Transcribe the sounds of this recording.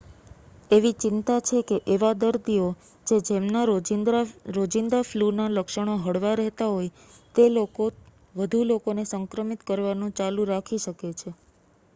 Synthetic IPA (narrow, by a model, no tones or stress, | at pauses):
eʋit͡ʃɪnt̪at͡ʃʰekeʔeʋad̪əɾd̪io | d͡ʒed͡ʒemnaɾd̪ɾɾod͡ʒind̪ɾaflunaləkʃəɽ̃oɦəɽʋaɾɛɦt̪aɦoj | t̪eloko | ʋəd̪ʱulokonesəŋkɾəmit̪kəɾʋanũt͡ʃalũɾakʰiʃəket͡ʃʰe